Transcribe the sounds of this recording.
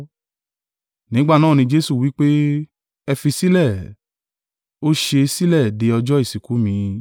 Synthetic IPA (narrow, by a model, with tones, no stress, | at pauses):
nĩ˨˦ɡ͡ba˦˨nã˦˨nĩ˧d͡ʒe˦su˦˨wi˨˦k͡pe˦ | ɛ˧fi˧si˦lɛ˦˨ | o˦ʃe˧si˦lɛ˦˨de˧ɔ˧d͡ʒɔ˦i˦˨si˨ku˨˦mĩ˧